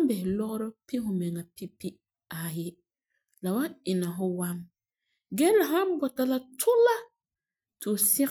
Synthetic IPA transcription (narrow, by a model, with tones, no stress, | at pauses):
m˦bɛ˨hɪ˨lɔ˦ɣɔ˦ɾɔ˦pɪ˦hʊ˨mɛ˨ŋa˨pi˦pi˦ | a˨jɪ˦ | la˨wa˦ɪ˨na˨ɦʊ˦wa˦n | ɡɛ˦la˨ɦa˦m˦bɔ˨ta˨la˦tʰʊ˦la˦ | tɪ˨ʊ˨sɪ˦